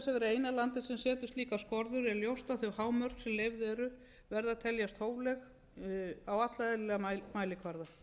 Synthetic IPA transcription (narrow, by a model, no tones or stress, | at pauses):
sɛvɛɾʏeːjnalant̪ɪsɛmsɛːt̪ʏst̪liːkaskɔɾðʏɾɛljowst̪aθʏɣhaːwmœɾ̥ksɛmlejvðɪɛɾʏ | vɛɾðaðt̪ʰɛljast̪hoːwvlɛx | awat̪laðɪllɛɣamaːjlɪkʰvaɾða